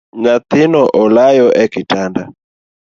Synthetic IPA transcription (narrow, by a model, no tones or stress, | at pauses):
ɲat̪inɔʔɔlajɔʔɛkitanda